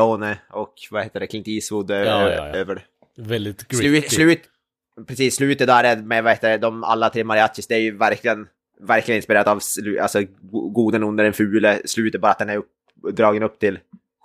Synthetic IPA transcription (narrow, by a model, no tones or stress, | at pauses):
onəɔkvaheːt̪əɖɛkʰɪŋt̪iːsvʊd̪øøːvəɾ | vɛd̪ɪslʉːslʉ̟ːt̪ | pʰɾɛsiːsːlʉ̟ːt̪ət̪æːɾɛmɛvaheːt̪ːədɛd̪ɔma̰lːat̪ʰɾeːmaɾɪat̪ːɪsd̪ɛæɾjɵvæɾkʰlɪɡən | væɾkʰlɪɡənɪnspɪɾeːɾad̪avslʉalsɔɡuːd̪ənɵnd̪əɖɛnfʉ̟ːləslʉːt̪ətbɑːɾat̪̚d̪ɛnæɾɵp | d̪ɾɑːɡənɵpːt̪ʰɪl